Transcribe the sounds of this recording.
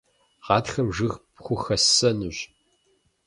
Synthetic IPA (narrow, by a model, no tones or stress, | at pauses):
ʁɑːtxɐmʐɨʁpχʷʊxɐsɐnuʑ